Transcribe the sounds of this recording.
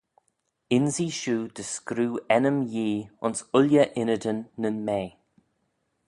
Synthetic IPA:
ɪnziːʃuːd̪̥əskɾuːɛnəmjiːʊnsʊlʲjəʔɪnəd̪ənːənmeː

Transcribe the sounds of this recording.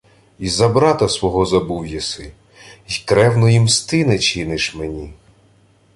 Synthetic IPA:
izɐbɾɑt̪ɐsʋɔɦɔzɐbuwjɐsɪ | jkɾɛwnɔjimst̪ɪnɛt͡ʃɪnɪʃmenʲi

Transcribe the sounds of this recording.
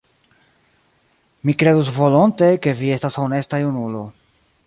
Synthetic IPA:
mikɾe̞d̪usvo̞lonte̞ke̞vie̞stasone̞stajunulo̞

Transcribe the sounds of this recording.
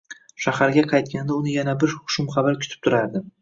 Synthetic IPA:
ʃahaɾɡʲaqʰɑjt̪̚kʲand̪aʊnɪjanabɪɾχʊ̥ʃʊmχɑvaɾkʲʰʊ̥t̪ʰɪ̥p̚t̪ʰʊɾaɾd̪ɪ

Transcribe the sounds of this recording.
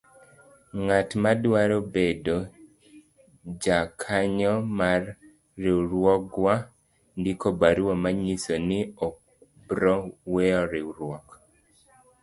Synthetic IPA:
ŋatmadwaɾɔbedo | d͡ʒakʰaɲɔmarː | iɾwɔɡwa | ndikobaɾwamaɲisɔnɪɔ | bɾɔwɛɔɾiɾwɔk

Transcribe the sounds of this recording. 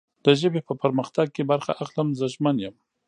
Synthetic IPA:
d̪̥əʒəbepəpəɾməxt̪aɡ̚kebaɾxa̰ʔaxləmzəʒmanjəm

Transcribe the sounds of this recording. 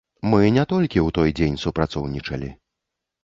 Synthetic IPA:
mɨnʲɛt̪ɔlʲkʲiwt̪ɔjd͡zʲenʲsupɾat̪sɔwnʲit͡ʂɐlʲḭ

